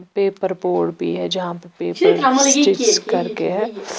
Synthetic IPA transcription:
peːpəɾboːɖbʱḭɦɛd͡ʒɐɦãpɐpeːpəɾad͡ʒɪskɐɾkeɦɛ̃ː

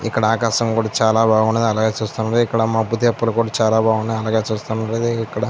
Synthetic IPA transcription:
ḭkːɐɽaːkaːʃɐŋkuːɽaːt͡ʃaːlaːbʱaːɡuɳɐd̪iɐlaːɡaːt͡ʃuːst̪unːɐɾikːɐɽɐmaːbut̪ɐpːɐlukuːɽaːt͡ʃaːlaːbʱaːɡuɳɐd̪ɐlaːɡaːt͡ʃuːst̪unɐɾed̪iikːɐɽɐ

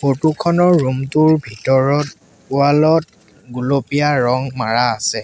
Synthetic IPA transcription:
xotukʰɔnɔɹːumtʊɹbʱitɔɹɔt̚ | ʊalɔt̚ | ɡulopijaɹɔŋmaɹaːsɛ

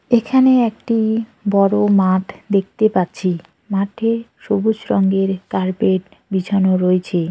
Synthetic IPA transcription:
ekʰaneɛk̚ʈibɔɾomaʈʰd̪ek̚ʰt̪epatːɕʰi | maʈʰeʃobud͡ʑɾɔŋɡeɾkaɾpeʈ | bid͡ʑʱʰanoɾoet͡ɕʰe

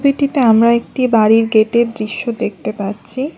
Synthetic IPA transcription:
biʈit̪eamɾaek̚ʈibaɾiɾɡeʈed̪ɾiʃːod̪ek̚t̪epaɾːɕʰi

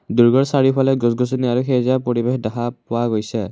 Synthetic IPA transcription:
duɹɡɔɹsaɹipʰɔlɛɡɔsɡɔsuniaɹuxejzapoɹibexdaɦapʊwaɡojsɛ

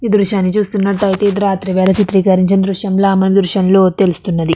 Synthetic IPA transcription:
iːd̪ɾuʃaːnːit͡ʃuːst̪unːɐʈʈɐjit̪eːd̪ɾaːt̪ɾiʋɛːlɐt͡ʃit̪ɾiːkɐɾiɲt͡ʃɐnd̪ɾuʃɐmloːɐmɐnid̪ɾuʃɐnlo̞ːt̪e̞lust̪unːɐd̪i

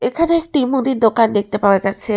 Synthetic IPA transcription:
ekʰaneek̚ʈimud̪iɾd̪okand̪ek̚ʰt̪epaoad͡ʑatːɕʰe

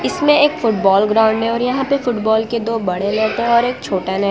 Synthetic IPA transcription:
ɪsmẽeːkfʊʈbɔːlɡɾãːʊ̃ɳɖɦɛɔːɾjɐɦãpefʊʈbɔːlked̪oːbɐɽ̤eleːt̪eɦɔːɾeːk̚t͡ʃʰoːʈanɐ

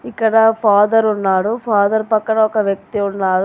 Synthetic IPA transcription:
ikːɐɽɐpʰaːd̪ɐɾunːaːɽupʰaːd̪ɐɾpɐkːɐɽɐɔkɐʋjɐk̚t̪iunːaːɽu

